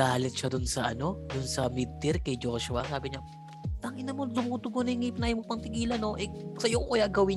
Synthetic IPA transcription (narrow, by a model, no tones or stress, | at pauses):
aːlɪt̪̚ʃad̪ʊnsɐʔɐno̞d̪ʊnsɐmid̪̚t̪ɪɾkɐjd͡ʒo̞ːʃʊɐsaːbɪɲa | t̪aːŋɪnɐmod̪ʊmuːt̪ʊɡonɐɪŋip̚nɐjmopɐŋt̪ɪɡiːlɐno̞ʔɛsɐjoʔojaɡɐwɪ